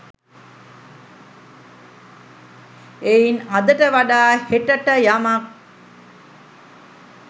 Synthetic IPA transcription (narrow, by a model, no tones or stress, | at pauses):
einad̪əʈəʋaɖaːheʈəʈəjamak̚